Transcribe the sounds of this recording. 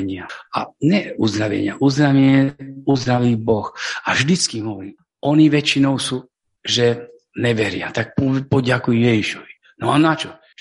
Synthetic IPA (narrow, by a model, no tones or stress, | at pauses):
ɲɪaa̰ɲɛuzd̪ɾaʋɛ̰ɲɪaʔuzd̪ɾaʋɛɲɛuzd̪ɾaʋiːbɔxaʒd̪it͡skimɦɔʋɔɾiː | ɔniʋɛt͡ʃinɔʊsu | ʒɛ | nɛʋɛɾɪa̰t̪ak̚pɔpɔɟakujɛjɛʒiʃɔʋi | nɔanat͡ʃɔ